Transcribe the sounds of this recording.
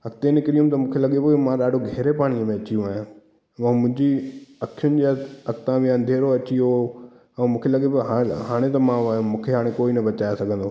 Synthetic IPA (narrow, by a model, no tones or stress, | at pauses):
ɐk̚t̪enɪkɾiũmt̪ɐmũːkʰelɐɠebomãɗaːɖʱoɡʱɛɦːɾepaːɽ̃iəmẽɐt͡ɕijũaːɦ | ɐ̃mʊ̃ɦɪ̃ɲd͡ʑiɐkʰjʊnɪ̆d͡ʑet̪ɐkt̪ãmẽɐ̃nd̪ʱeːɾoɐt͡ɕio | ɛ̃ːmũːkʰelɐɠebɦaɦaːɽ̃et̪ɐmãmũːkʰeɦaːɽ̃ẽkoːinɐbɐt͡ɕaːjasɐɡʱə̃nd̪oː